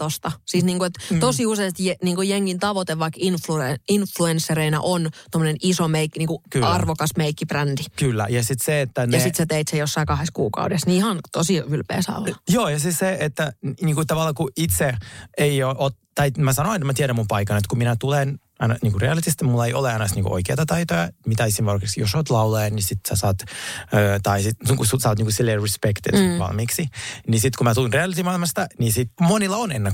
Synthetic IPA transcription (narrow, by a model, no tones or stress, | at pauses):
t̪ost̪ɑsiːsniːŋkuet̪t̪osiuseist̪jeniːŋkujeŋːint̪ɑʋot̪eʋʋɑikːinflueinfluensːereinæ̰ʔont̪omːənenisomeikːniːŋkukyɑrʋokɑsmeikːibrændikylːæ̰jɑsit̪seet̪ːænjɑssit̪set̪eit̪sejosːɑikɑheskṵːkɑ̰udesniihɑnt̪osiylpḛːsɑ̰o̰lɑjoːjɑsisseet̪ːæniːŋkut̪ɑʋɑlːɑkuit̪seeioʔot̪ | t̪ɑimæsɑnoent̪mæt̪ieɾæmumpɑikɑnet̪kuminæt̪ulen | ɑnɑniːŋkureɑlit̪ist̪imulːɑeio̰leɑnɑst̪niːŋkṵʔo̰ikḛːt̪ɑt̪ɑit̪ojɑmit̪æisimorkeksijossoːt̪lɑulɑjɑnisit̪sæ̰sɑːt̪øːt̪ɑisit̪kususɑːt̪niːkusilːeːrispekt̪ḭnsʋɑ̰lmiːksinisit̪kumæt̪ulinreɑlit̪imɑilmɑst̪ɑnisit̪monilːɑonḛnːe